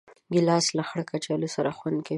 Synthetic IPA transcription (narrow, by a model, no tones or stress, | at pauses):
ɡɪlɑslaxɽkat͡ʃɑlosaɾaxwand̪ka